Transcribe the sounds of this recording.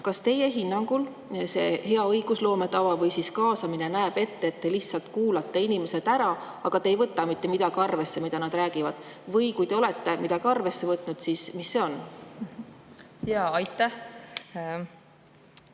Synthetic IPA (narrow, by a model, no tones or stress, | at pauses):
kɑst̪e̞je̞ɦinːɑŋɡ̥ul | se̞he̞ɑɤjɡ̥uslo̞ːme̞t̪ɑvɑvɤjsiskɑːsɑmine̞næeb̥e̞t̪ːeeːt̪ːe̞liçt̪sɑlt̪kuːlɑt̪ːe̞inime̞se̞d̪̥æɾɑ | ɑɡ̥ɑt̪ejvɤt̪ːˑɑmit̪ːe̞mid̪̥ɑɡ̥iɑrve̞sːe̞mid̪ɑnɑd̪̥ræːɡ̥ivɑd̪̥ | vɤjkujd̪e̞o̞le̞t̪ːe̞mid̪ɑɡ̥iɑrve̞sːe̞vɤt̪ˑnud̪̥siːsmisːe̞o̞n | jɑːɑjt̪ːæh